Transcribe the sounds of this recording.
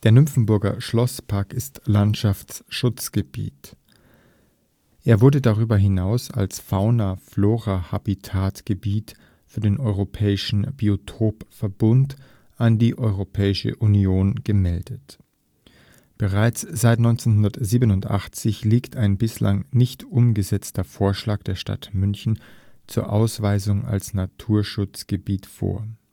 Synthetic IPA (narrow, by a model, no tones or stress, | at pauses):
d̥eːɐnʏmfn̩bʊɐɡɐ̰ʃlɔspʰaɐkɪstlantʃaft͡sʃʊt͡sɡ̥əb̥ḭːt | ʔeːɐvʊɐdədaʁ̞yːbɐɦɪnaʊsa̰lsfaʊnafloːʁahabitʰaːtɡ̥əbiːt | fyːɐdeːnʔɔʏʁ̞opʰɛːɪʃn̩b̥iotʰoːpfɛɐbʊnt | ʔandiːʔɔʏʁopʰɛːɪʃə̰ʔunjoːnɡ̥əmɛldət | b̥əʁaɪt͡sz̥aɪtnɔʏnt͡senhɦʊndɐtziːbənʊntʔa̰χt͡sɪçliːktʰaɪnbɪsla̰ŋnɪçtʔʊmɡəzɛt͡stɐfoːɐʃlaːkd̥eːɐʃta̰tmʏnçn̩t͡suːɐʔaʊsv̥aɪzʊŋa̰lsnatʰuːɐʃʊt͡sɡ̥əbiːtfo̰ːɐ